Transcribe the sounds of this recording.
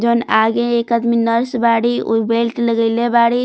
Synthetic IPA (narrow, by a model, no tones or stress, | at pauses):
d͡ʒonaɡẽekəd̪minəɾsbaɽiṵbelʈləɡəɪlebaɽi